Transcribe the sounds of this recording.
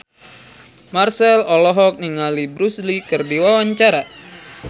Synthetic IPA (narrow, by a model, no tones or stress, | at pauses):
marsɛlɔlɔɦɔk̚niŋalibɾuslikɨrdiwawaɲt͡ʃaɾa